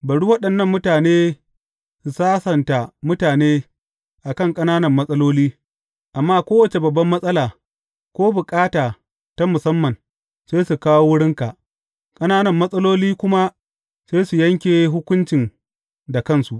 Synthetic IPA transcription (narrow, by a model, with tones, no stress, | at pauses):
bɐ˨ɽuː˦wɐ˦ɗɐ˨nːɐ˦˨mːʊ˦taː˨neː˦ | su˨saː˦sɐ˨nta˨mʊ˦taː˨neː˦ | ʔa˨kɐ˦˨ŋkʼɐ˦naː˦nɐ˨mːɐ˦sʼɐ˦loː˦liː˦ | ʔa˨mːaː˦kʷoː˦wɐ˨t͡ʃe˨bɐ˨bːɐ˦mːɐ˦sʼɐ˦laː˨ | kʷoː˦bʊ˨kʼaː˦taː˨ | ta˦mʊ˨sɐ˦mːɐ˨n | seː˦su˨kaː˦wo˦wʊ˦ɽɪ˦ŋka˨ʔ | kʼɐ˦naː˦nɐ˨mːɐ˦sʼɐ˦loː˦liː˦kʷʊ˦ma˦ | seː˦su˨jɐ˦ŋkʲeː˨ɦʊ˦kʷʊ˦nt͡ʃɪ˨n | da˨kɐ˦˨nsu˨ʔ